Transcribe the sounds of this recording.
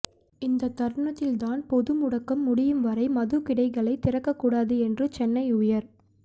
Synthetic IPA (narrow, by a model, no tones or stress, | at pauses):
ɪnd̪ɐt̪ːɐɾɳɐt̪ːɪlt̪aːnpɔðɯmʊɽɐkːɐmːʊɽɪjɯmʋɐɾɐɪmɐðɯkɪɽɐɪɣɐɭɐɪt̪ɪɾɐkːɐkːuːɽaːðɯɛndrɯt͡ʃɛnːɐɪʊjɐɾ